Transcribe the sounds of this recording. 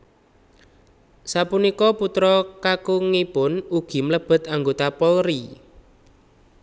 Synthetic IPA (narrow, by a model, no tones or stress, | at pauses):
sapunikɔput̪ɾɔkakuŋipʊnuɡ̥i̤mləb̥ə̤t̪aŋɡot̪apɔlɾi